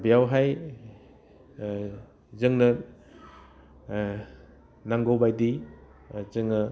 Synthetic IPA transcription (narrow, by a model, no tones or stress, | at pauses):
bijawɦaj | zɯŋnɐ | naŋɡowbajdi | t͡ʃɯŋnɐ